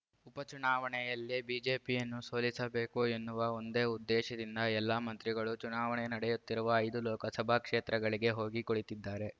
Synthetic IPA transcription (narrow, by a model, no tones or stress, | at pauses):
upɐt͡ʃunaːʋɐɳɛjɐlːibiːd͡ʒe̞ːpijɐnːuso̞ːlisɐbe̞ːkuenːuʋɐo̞nd̪eːud̪ːeːʃɐd̪ind̪ɐɛlːaːmɐnt̪ɾiɡɐɭut͡ʃunaːʋɐɳɛnɐɽɛjut̪ːiɾuʋɐːjd̪ulɔːkɐsɐbʱaːkʂeːt̪ɾɐɡɐɭiɡe̞ɦo̞ːɡikoɭit̪id̪ːaːɾe̞